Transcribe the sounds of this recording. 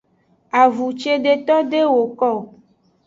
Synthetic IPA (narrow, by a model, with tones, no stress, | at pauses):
a˨vu˨t͡ʃe˦ɖe˨t̪ɔ˦ɖe˦wo˨kɔ˦˨